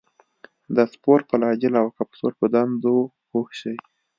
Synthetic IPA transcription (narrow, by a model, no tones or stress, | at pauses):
d̪əspoɾpəlɑd͡ʒɪlawkapso̰ɾpəd̪and̪o | hoxʃəj